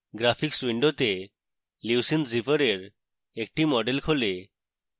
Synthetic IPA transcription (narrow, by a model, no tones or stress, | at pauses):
ɡɾapʰikswiɳɖot̪e | lisinɾipɔɾeɾ | ek̚ʈimɔɖelkʰole